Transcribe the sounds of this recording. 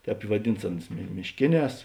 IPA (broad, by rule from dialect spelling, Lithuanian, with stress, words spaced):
ˈtʲɛːp ɪ ʋɐˈdʲɪns ˈɑːnʊs mʲɪʃʲˈkʲeːˌnʲɛːs